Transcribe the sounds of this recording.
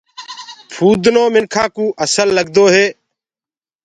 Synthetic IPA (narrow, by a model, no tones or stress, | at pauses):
pʰuːd̪noːmɪnkʰãːkũːʔəsəlːəɡ̚d̪oːɦeː